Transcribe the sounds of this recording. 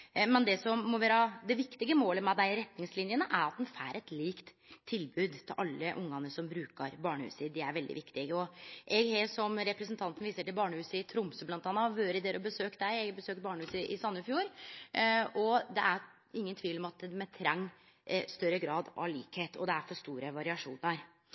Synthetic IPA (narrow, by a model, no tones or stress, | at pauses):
mɛnd̪ɛsɔmːɔʋæːɾəd̪ɛʋɪkt̪ɪɡəmoːləmɛd̪æɪɾɛt̪nɪŋslɪnjənəʔæɾɑt̪̚d̪ɛnfæːɾʔɛt̪liːkt̪ʰː | ɪlbʉːd̪t̪ʰːɪlʔɑlːəʔʊŋːɑnəsɔmbɾʉːkəɾbɑːɳəhʉ̰ːsəd̪ɛæɾʋɛld̪ɪ̰ʋɪkt̪ɪɡɔʔɛɡhesɔmɾɛpɾəsnt̪ʰɑnt̪ən̩ʋiːsəʈɪlbɑːɳəhʉːsəɪt̪ʰɾʊmsəblɑnt̪ɑːnːɑʋøːɾəd̪eːɾɔbəsøːkd̪æɪɛɡbəsøːk̚t̪̚bɑːɳəhʉːsəʔɪsɑnːəɪfjuːɾ | ɔd̪ɛ̰ʔæɾ | ɪŋːənt̪ʰʋiːlɔmɑt̪d̪mɛt̪ʰɾɛŋː | st̪œɾːəɡɾɑːd̪ɑ̰ɭḭːkheːt̪ʰɔ̰d̪ɛæɾfɔst̪uːɾəʋɑɾɪɑʂuːnəɾ